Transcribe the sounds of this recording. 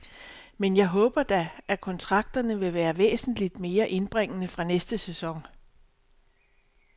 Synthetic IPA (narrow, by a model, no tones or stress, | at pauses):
menjɑ̈ɪɦɔ̽ːb̥ɐd̥æʔækʰɒ̽nt͡sʰʁɑ̈ɡ̥̚d̥ɐnəʋe̝ʋæːɐʋḛːsn̩lid̥me̝ːɐʔe̝nb̥ʁeŋ̰ənəfʁɑ̈nesd̥əsesɒ̽ŋ